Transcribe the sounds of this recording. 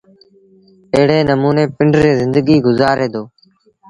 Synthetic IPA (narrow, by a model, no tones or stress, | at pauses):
əɦɽeːnəmuːneːpɪɳɖɾeːzɪnd̪əɡiːɡʊzaːɾeːd̪oː